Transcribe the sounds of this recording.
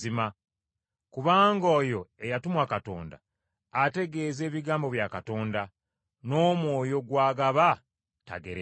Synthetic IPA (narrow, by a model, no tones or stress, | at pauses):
ima | kuβaːŋɡoːjo̞e̞jatumwakato̞̰ːnda̰ː | te̞ɡe̞ːze̞ːβiɡaːmbo̞βjakato̞ːnda | no̞ːmwoːjo̞ɡwaːɡaβa | ta̰ɡḛɾe